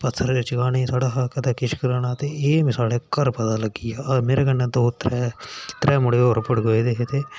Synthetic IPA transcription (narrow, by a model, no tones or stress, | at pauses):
pət̪ʰːəɾɪt͡ʃɡaːneːsaːɽaːɦkəd̪aːkɪt͡ʃkəɾaːnaːt̪eːeːmɪ̃saːɽeːkəɾpət̪aːləɡiːjaːmeːɾeːkənːaːd̪oːt̪ɾɛːt̪ɾʔɛːmʊɽeːoːɾpəɽɡoːeːd̪eːɦet̪eː